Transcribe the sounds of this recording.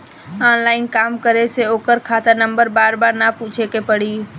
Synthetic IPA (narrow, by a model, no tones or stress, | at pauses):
anlaːɪnkaːmkəɾeseoːkəɾkʰaːt̪anə̃mbəɾbaːɾbaːɾnaput͡ʃʰekepəɽiː